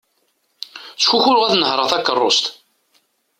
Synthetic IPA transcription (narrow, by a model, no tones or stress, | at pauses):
t͡sːxuçʊɾʁæθnəhɾəʁθækːərˤːost̪